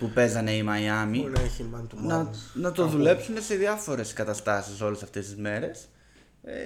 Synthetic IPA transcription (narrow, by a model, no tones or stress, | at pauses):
pupe̞zɐne̞imɐjɐmineçimɐnt̪unɐnɐt̪o̞ðule̞psune̞se̞ðiɐfo̞ɾe̞skɐt̪ɐst̪ɐsiso̞le̞sɐft̪e̞st̪izme̞ɾe̞s | ḛ